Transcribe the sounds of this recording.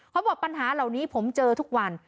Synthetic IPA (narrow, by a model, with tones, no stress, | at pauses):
kʰa˦˥wbɔː˨˩k̚pa˧nɦaː˩˦la˨˩wniː˦˥pʰo˩˦mt͡ɕɤː˧t̪ʰu˦˥k̚wa˧n